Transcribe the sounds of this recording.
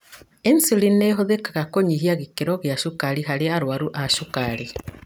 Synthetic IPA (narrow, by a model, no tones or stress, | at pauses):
ensilineɦoðekaɣakoɲiɦiaɣikeɾɔɣjaʃukaɾiɦaɾeaɾwaɾuʔaʃukaɾi